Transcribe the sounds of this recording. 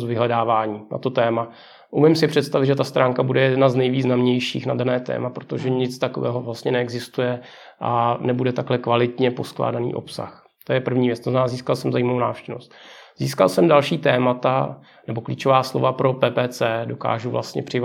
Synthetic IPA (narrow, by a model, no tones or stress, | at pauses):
zvɪɦlɛdaːvaːɲiːna̰t̪o̞t̪ɛːma | ʔumɪmsɪpr̝̥ɛt̪st̪avɪd̪ʒɛt̪ast̪ɾʔaːŋkabudɛjɛdnaznɛjviːznamɲɛjʃḭːxnadanɛːt̪ɛ̰ːmapɾo̞t̪o̞ʒɛɲɪt͡st̪akovɛ̰ːɦovlast̪ɲɛnɛɛɡzɪst̪ujɛ | ʔa̰nɛbudɛt̪aklɛkvalɪt̪ɲɛpo̞skla̰ːdanḭːʔo̞̰psa̰x | t̪ojɛpr̩vɲiːvjɛt͡st̪oznnaːziːskalsɛmzajimavowna̰ːfʃcɛvno̞̰st̪z̥iːska̰lsɛmdalʃiːt̪ɛːmat̪a | nɛbo̞klḭːt͡ʃovaːslo̞̰vapɾo̞pɛːpɛːt͡sɛːdo̞ka̰ːʒuvlʔa̰st̪ɲɛ̰pr̥ɪv